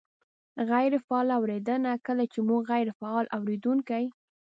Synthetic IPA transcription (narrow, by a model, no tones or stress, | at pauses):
ɣajɾfaɑlawɾed̪ənakəlat͡ʃemuɡɣajɾfaɑlʔawɾed̪uŋkaj